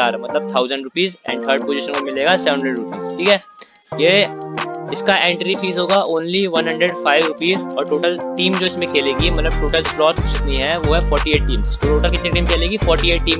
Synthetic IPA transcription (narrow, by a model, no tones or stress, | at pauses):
aːɾmɐt̪ləb̚t̪ʰaːʊzə̃ɳɖɾʊpiːzɛ̰̃ːɳɖkʰəɾɖ̚poːziʃənkomɪleːɡasɛʋə̃nɳɦəɳɖəɖɾʊpiːzʈʰiːkɦɛje | ɪskaʔẽːɳʈɾifiːzɦoːɡaʔoːnliʋɐnɦɐ̃ɳɖɾeɖfaːɪʋɾʊpiːzɔːɾʈoːʈəlʈiːmd͡ʒoːɪsmẽkʰeːleːɡimɐt̪ləb̚ʈoːʈəlslɔːt̪d͡ʒɪt̪niɦɛʋoɦɛfɔːɾʈieːʈ̚ʈĩːmst̪oʈoːʈəlkɪt̪niʈ̬iːmkʰeːleːɡifɔːɾʈieːʈ̚ʈiːm